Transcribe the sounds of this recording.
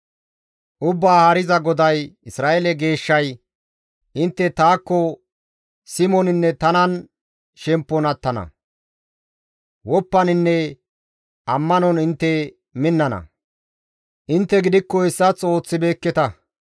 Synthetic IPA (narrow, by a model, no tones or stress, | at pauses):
ʔʊbːaːhaɾɪzɐɡɔd̪ɐjɪsɾaːʔɛlɛɡe̞ːʃːɐj | ʔɪnt̪ːɛt̪aːkːɔ | sɪmɔnɪnːɛt̪ɐnɐn | ʃɛmpːɔnɐt̪ːɐnɐ̰ | wɔpːɐnɪnːɛ | ʔɐmːɐnɔnɪnt̪ːɛ | mɪnːɐnɐ̰ | ʔɪnt̪ːɛɡɪd̪ɪkːɔɪsːɐt͡sʼo̞ːt͡sːɪbe̞ːkːɛt̪ɐ